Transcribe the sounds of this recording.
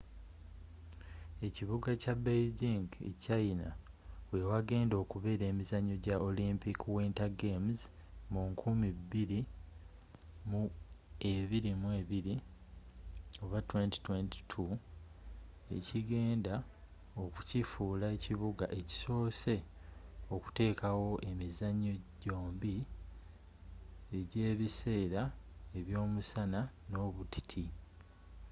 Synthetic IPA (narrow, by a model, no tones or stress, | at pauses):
e̞ciβuɡacabelɟiŋɡḛcaina | we̞waɡe̞ːndo̞ːkuβe̞ːɾe̞ːmizaɲo̞ɟaʔolimpikwintaɡemz | muŋkʰumibːiɾi | mue̞βiɾimuwe̞βiɾi | o̞βatwe̞nti̥twe̞nti̥tʰu | e̞̰ciɡe̞ːnda | o̞ku̥cifuːlaeciβuɡaʔe̞ci̥so̞ːse̞ | o̞ku̥te̞ːkawo̞ʔe̞mizaɲːo̞ɟo̞ːmbi | eɟe̞ːβise̞ːɾae̞βjo̞ːmusanano̞βuti̥tʰi